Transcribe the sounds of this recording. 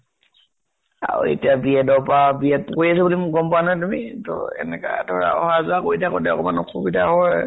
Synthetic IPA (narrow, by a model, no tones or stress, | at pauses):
a̰ɹṵḛtiabiɛdɔpabiɛt̚koɹiasɛbulimʊɡɔmpɔanajt̬umitɔ̰ɛ̰nɛka̰tɔɹa̰ɔhazakoɹitʰakɔ̰tɛɔ̰kɔma̰nɔkxʰubidahɔj